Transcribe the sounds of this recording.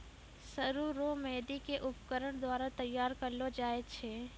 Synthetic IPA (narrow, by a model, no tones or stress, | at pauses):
səɾuɾomɛːd̪ikeʔʊpkəɾəɽ̃d̪waːɾat̪ɐjːaːɾkɐlod͡ʒaːet͡ʃʰeː